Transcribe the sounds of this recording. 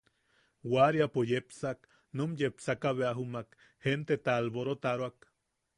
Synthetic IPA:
waɾjapojepsak | numjepsakaβeaɦumak | hent̪et̪aːlboɾot̪aɾwak

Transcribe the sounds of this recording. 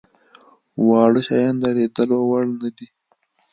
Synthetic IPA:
wɑːɽoʃɑjɑnd̪aɾeːd̪əlowaɽnad̪i

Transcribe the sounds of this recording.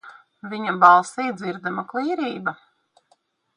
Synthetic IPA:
vʲiɲabɑlˠsiːd̪ziɾd̪amaklˠiːɾiːba

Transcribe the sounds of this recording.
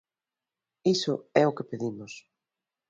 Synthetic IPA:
isʊɛʊkepeðimʊs

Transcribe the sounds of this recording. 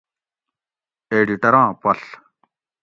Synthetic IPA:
eːɖiʈɐɾãːpɐɬ

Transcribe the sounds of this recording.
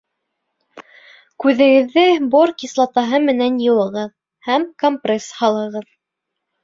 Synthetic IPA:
kʉðɘ̆ɡɘ̆ðːɘboɾkislˠɑt̪ɑɦɤmɘ̆nænjɤ̆wɤ̆ʁɤð | hæmkompreshɑlˠɤ̆ʁɤð

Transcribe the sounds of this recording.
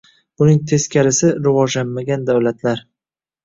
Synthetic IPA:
b̥ʊnɪŋt̪ʰe̞skʲaɾɪsɪɾɪvɒʒlanmaɡʲand̪awlat̪ʰlaɾ

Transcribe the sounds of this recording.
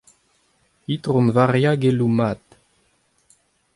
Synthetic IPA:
it̪ʁɔmvaʁjaɡelumat̪

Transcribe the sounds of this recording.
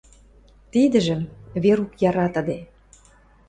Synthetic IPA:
t̪id̪ə̆ʒə̆mβeɾukjɑɾɑt̪ə̆d̪e

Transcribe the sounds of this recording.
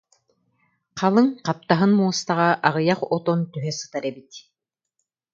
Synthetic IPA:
qʰɑlˠɯŋqɑp̚t̪aɦɯnmuːɔst̪aʁɑʔaʁɯjaqɔt̪ɔnt̪yɦɛsɯ̥t̪aɾɛbit̪

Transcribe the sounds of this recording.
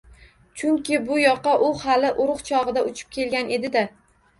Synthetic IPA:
t͡ʃʰʊŋkʲɪbʊjɒqʰɑʔʊhalɪʔʊɾʊqt͡ʃʰɒʁɨd̪aʊt͡ʃʰɪ̥p̚kʲʰe̞lɡʲane̞d̪ɪd̪a

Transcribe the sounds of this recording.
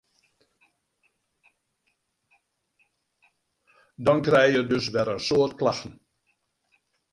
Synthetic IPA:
dɔnkrɛjjədɵsʋɛrənsoːrtklaxn̩

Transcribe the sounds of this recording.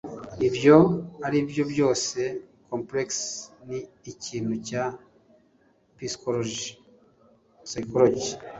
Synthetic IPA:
ibjo̞aɾibjo̞bjo̞ːse̞ | kʰompleksniːciːn̥huca | piskoɾoʒi | sajkoɾoɟi

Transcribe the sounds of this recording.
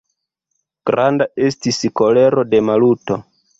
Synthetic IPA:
ɡ̥ɾandaestisiko̞le̞ɾo̞de̞maluto̞

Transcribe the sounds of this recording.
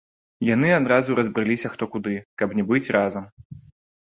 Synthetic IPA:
janɨad̪ɾazuɾɐzbɾɨlʲisʲɐxt̪ɔkud̪ɨkɐbnʲɛbɨt͡sʲrʔazɐm

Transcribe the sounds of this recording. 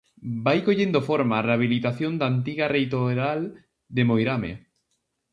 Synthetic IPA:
bajkoʎend̪ofoɾmareaβ̞ilit̪aθjond̪ant̪iɣarejt̪oeɾal | d̪emojɾamḛ

